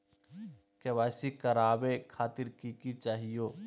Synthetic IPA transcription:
keʋaːsikɐɾaːbekʰaːt̪ɪɾkikit͡ʃaːɦijoː

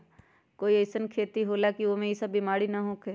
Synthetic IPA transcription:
koːiɐːsənkʰeːt̪iɦoːlakiomẽisəbimaːɽinaɦõːkʰeː

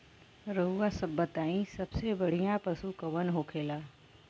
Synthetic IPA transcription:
ɾəɦuasəbːət̪aːĩsɐbsebɐɽ̤ijãpɐsukəʋənɦoːkʰeːlaː

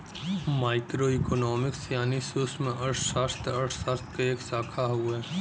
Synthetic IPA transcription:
maːɪkɾoiːkonɔːmɪksjaːnisʊsmẽʔɐʈʰsaɾt̪ɐʈʰsaɾt̪ʰkeeːksaːkʰaɦueː

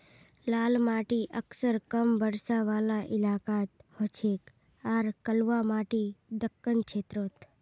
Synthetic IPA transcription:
laːlmaːʈiʔəksəɾkəmbəɾsaʋaːlaʔɪlaːkaːt̪hot͡ʃʰeːk | aːɾkəlʋamaːʈid̪əkːənkt͡ʃʰeːt̪ɾoːt̪

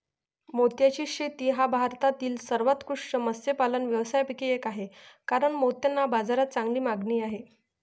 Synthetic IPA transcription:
mot̪jat͡ɕiːɕet̪iːɦabʱaɾt̪at̪iːlsəɾʋat̪kuʂt͡ɕəməsepalənʋjəʋsajpikiekaɦekaɾəɳmot̪janːabad͡zaɾat̪̚t͡sãŋɡliːmaɡɳiːaɦe

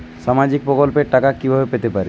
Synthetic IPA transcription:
samad͡ʒik̚pɾɔkɔlpeʈakakːibʱabepet̪epaɾi

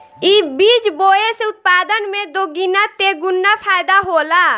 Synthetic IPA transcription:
iːbiːt͡ʃboːeseʊt̪̚paːd̪ənmẽd̪oːɡinat̪eːɡʊnːapʰaːjd̪aɦoːlaː

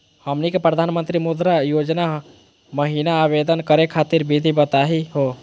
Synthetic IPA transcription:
həmnikepɾəd̪ʱanmənt̪ɾimod̪ɾajod͡ʒna | məɦinaːβed̪ənkəɾekʰat̪iɾbid̪ʱibət̪aɦiɦo

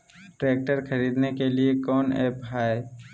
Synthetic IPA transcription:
ʈɾeːk̚ʈəɾkʰəɾiːd̪nekeliekɔːnḛːpɦaːe

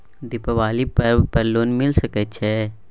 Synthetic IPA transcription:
d̪ɪpəʋaːlipəɾpəɾloːnmɪlsəkət͡ʃʰe

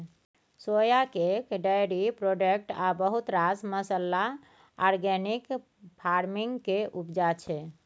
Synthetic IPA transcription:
sojakekɖajɾipɾoɖekʈabəɦut̪ɾasməsəlːa | ɔɾɡɛnik | pʰaɾmiŋɡkeʔupd͡ʒat͡ʃʰɛ

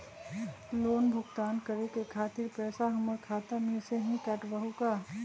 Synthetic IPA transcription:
loːnbʱʊɡt̪aːnkəɾekekʰaːt̪ɪɾpɛːsaɦɐməɾkʰaːt̪ameseɦĩkɐʈbəɦukaː

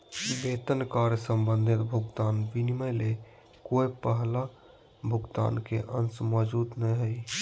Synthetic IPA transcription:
bet̪ənkaɾjəsəmbənd̪ʱit̪bʱuɡt̪anʋiniməjle | kojpəɦla | bʱuɡt̪a̰nkḛʔənsmɔd͡ʒud̪nəjɦəj

